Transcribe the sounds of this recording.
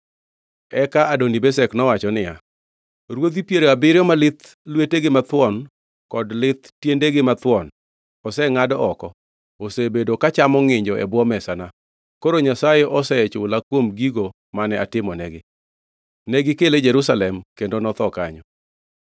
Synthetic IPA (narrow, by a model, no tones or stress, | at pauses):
ɛkaʔadonibesɛknɔwat͡ʃɔnɪja | ɾwod̪ipjeɾoabɪɾjɔmalɪt̪ | lweteɡɪmat̪wɔn | kɔdlɪt̪tjendeɡɪmat̪wɔn | ɔsɛŋadɔʔɔkɔ | osebedokat͡ʃamɔŋɪɲd͡ʒɔʔɛ̰bwɔmɛsana | koɾoɲasajeʔɔsɛt͡ʃʊlakwomɡiɡo | manɛʔatɪmɔnɛɡɪ | nɛɡɪkeled͡ʒɛɾusalɛmkendonɔt̪ɔkaɲɔ